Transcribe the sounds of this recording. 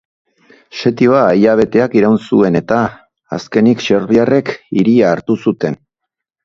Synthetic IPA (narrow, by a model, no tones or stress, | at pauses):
ʃe̞t̪io̞aːjaβ̞e̞t̪e̞akiɾawnsue̞ne̞t̪a̰ː | ske̞nikʃe̞ɾβiare̞kiɾiaːɾt̪usut̪e̞n